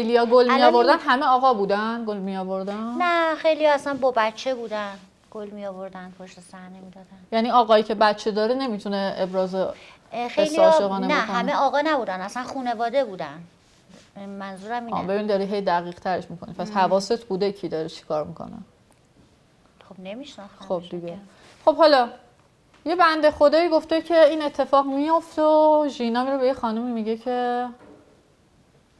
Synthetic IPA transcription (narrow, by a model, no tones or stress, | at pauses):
xejlijɒːɡolmijɒːvo̞ɾd̪ænɦæmeɒːɣɒbuːd̪ænɡolmijɒːvoɾd̪ænnæxejlijɒæsænbɒbæt͡ʃʰːebuːd̪æn | ɡ̥olmijɒːvoɾd̪ænd̥̪pʰoʃt̪esæhnemid̪ɒd̪ænjæniɒːɣɒːiːcʰe̞bæt̪t͡ʃʰe̞d̪ɒːɾene̞mit̪ʰuneːbɾɒːze | xejsliɒːʃeɣɒːnenæhæmeɒːɣɒːnæbuːd̪ænæsænxuːne̞vɒːd̪ebuːd̪æn | mænzuːɾæmiːbe̞binid̪ɒɾiːɦejd̪æɣiːʁ̥t̪ʰæɾeʃmikʰo̞nipʰæshævɒːse̞t̪ʰbuːd̪ecʰiːd̪ɒɾet͡ʃʰi̥kʰɒːɾmikʰo̰nḛ | xobnemiʃnæsxob̚d̪iɟe | χo̞b̥hɒlɒ | je̞bænd̪exod̪ɒːjiɡo̞ft̪ecʰe̞iːne̞t̪ʰːe̞fɒːɣmijo̞ft̪oʒinɒːmiɾobe̞jexɒːnumimiɟecʰe̞